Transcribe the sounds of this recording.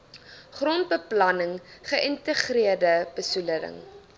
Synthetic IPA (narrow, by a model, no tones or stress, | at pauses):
χront̚bəplɐnəŋχəʔəntəχriərdəb̥əsuləɾə̰ŋ